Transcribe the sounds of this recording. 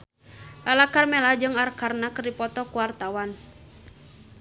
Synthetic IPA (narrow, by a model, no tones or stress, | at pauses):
lalakarmɛlahd͡ʒɨŋarkarnakɨrdipɔt̪ɔkuwart̪awan